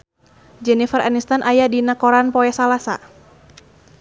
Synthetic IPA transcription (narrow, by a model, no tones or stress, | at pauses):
d͡ʒɛnifəɾa̰nist̪anʔajadinakɔɾanpɔɛsalasa̰